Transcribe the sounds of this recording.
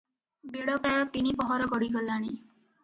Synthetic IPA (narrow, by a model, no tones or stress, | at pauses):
beɽɔpɾajɔt̪inibɔɦɔɾɔɡɔɽiɡɔlaɽ̃i